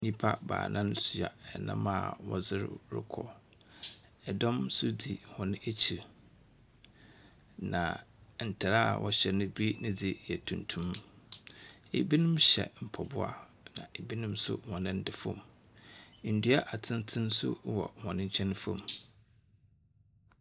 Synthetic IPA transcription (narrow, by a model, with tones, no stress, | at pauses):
ɲĩ˦pʰa˦ba̰ː˨nʔã˦nsu˨a̰˨ɛ˨nã̰˦mã˦˨wɔ̰˦zɪ˦ɾɾɪ̰˦kʰɔ˨ | ɛ˨dɔ̃˦msʊ˦di˨hɔ̃˨nɪ̃˦ʔe˦t͡ɕʰi˨ɾ | nã̰˨n̩˨tʰa˨ɾa˦˨wʔɔ˦ɕɛ˨nʊ̃˦bi˦nɪ̃˦d͡zɪ˨jɛ˨tʰũ˨ntʰũ˦m | e˨bi˦nʊ̃˦mɕɛ̰˨m̩˨pʰɔ˨bʊ˦a̰˦ | nã̰˨e˨bi˦nʊ̃˦msʊ̰˦hɔ̃˨nɪ̃˦n̩˦dɪ˨fɔ̰̃˦˨m | n̩˨dɥa˦ʔa˨tʰɪ̃˦n˦tʰɪ̃˦n˦sʊ˦wɔ̰˨hɔ̃˨nɪ̃˦ɲ̩˦t͡ɕʰɛ̃˦ñ˦fɔ̃˨m